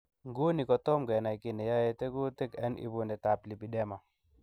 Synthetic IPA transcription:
ŋɡu˦ni˨kɔ˨tɔ˦mɡɛ˨na˨i˨ki˨nɛ˨ja˦je˨˦te˦ɡu˦te˦kɛ˦nʔḭ˦bu˨nɛ˨ta˨pli˨bi˨ɗɛ˦ma˨

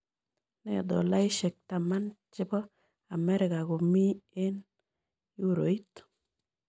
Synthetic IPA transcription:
nɛ˦˨d̪ɔ˨la˦ɪ˦ʃe˨k̚t̪a˨ma˦nt͡ʃɪ˦bɔ˦ | a˨mɛ˦ɾɪ˨ka˨ko˨mi˦e˦n | u˦ɾo˨i˦t̪

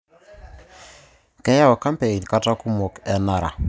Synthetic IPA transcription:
kɛ˦ja˦wo˨ka˦mpe˨i˨nka˦ta˦ku˦mo˨kɛ˨na˦˨ɾa̰˨

